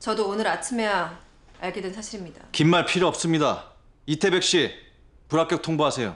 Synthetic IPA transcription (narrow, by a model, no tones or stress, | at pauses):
t͡ɕʌdoːnɯɾat͡ɕʰimeja | aɭɡedwensʰaɕʰiɾimɲidakimːaɭpʰiɾoʌp̚s͈ɯmɲida | itʰe̞be̞k̚ɕ͈i | puɾak͈jʌk̚tʰoŋboɦasʰe̞jo